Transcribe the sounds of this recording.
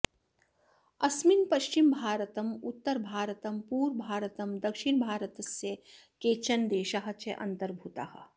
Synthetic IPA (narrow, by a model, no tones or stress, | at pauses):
ɐsmɪnpɐʃt͡ʃimbʱaːɾət̪ɐmʊt̪ːəɾbʱaːɾət̪ɐmpuːɾbʱaːɾət̪ɐmd̪ɐkʃɪɳbʱaːɾət̪ɐse | keːt͡ʃɐnd̪eːʃaɦɐ̆t͡ʃeʔɐ̰̃nt̪ɐɾbʱut̪a̰hɐ